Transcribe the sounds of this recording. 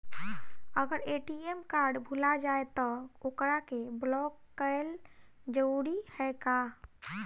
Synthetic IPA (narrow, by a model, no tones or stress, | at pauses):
əɡəɾeʈiemkaɾɖbʱulad͡ʒaet̪ɔokɾakeblɔkːəeld͡ʒəuɽihɛka